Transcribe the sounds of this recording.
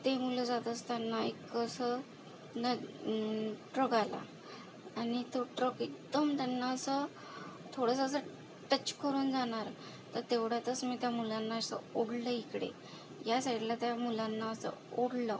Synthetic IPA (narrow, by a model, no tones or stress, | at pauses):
t̪emuləd͡zat̪əst̪janːaekːəsə | nə | ʈɾəɡala̰ | añit̪oʈɾəkeɡd̪əmt̪janːaəsə | t̪ʰoɽəsaəs̬ə | ʈət͡ɕkəɾuːnd͡zaɽ̃aɾ | t̪əɾt̪eʋɽat̪ət͡smit̪jamulanːaəsə̰oɽləikɽḛ | jasaʈilat̪jamulanːaəsə̰oɽlə